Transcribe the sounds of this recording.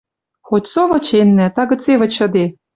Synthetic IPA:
xotʲsoβɤ̆t͡ɕenːæt̪ɑɣɤ̆t͡sevɤ̆t͡ɕɤ̆d̪e

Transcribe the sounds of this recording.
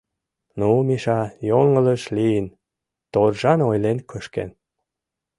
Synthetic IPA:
numiʃɑjoŋələʃliən | t̪orʒɑnojlenkəʃkḛn

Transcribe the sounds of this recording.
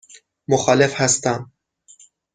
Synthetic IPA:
moxɒːlefhæst̪æm

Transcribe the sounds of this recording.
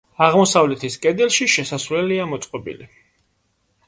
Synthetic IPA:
aʁmɔsavlɛt̪ʰiskʼɛd̪ɛlˠʃiʃɛsasvlɛliamɔt̪sʼqʼɔbḭli

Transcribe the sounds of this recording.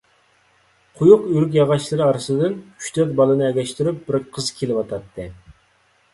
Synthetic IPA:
qʰʊjuqyɾyk̬ʲjɑʁɑʃlˠɨɾɨɑɾɨsɨd̪ɨnʰy̥ʃt̪ʰɛt̪̚bɑlˠɨnɨɛɡʲɛʃt̪yɾyp̚bɪɾqʰəzkʲʰelɪwɑt̪ʰɑt̪ʰːɨ

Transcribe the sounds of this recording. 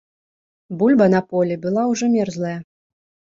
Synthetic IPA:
bulʲbɐnɐpɔlʲɛbɨlˠawʐɔmʲɛrzlˠɐjɐ

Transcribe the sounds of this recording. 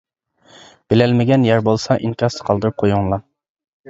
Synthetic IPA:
b̥ɪlɛlmɪɡʲɛnjæɾbolˠsɑʔiŋkʲɑsə̥qʰɑlˠd̪ɨɾup̚qʰojuŋlˠɑ

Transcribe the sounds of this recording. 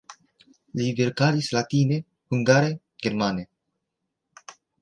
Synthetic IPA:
liveɾkaɾislat̪ine | huŋɡaɾe | ɡ̥eɾmane

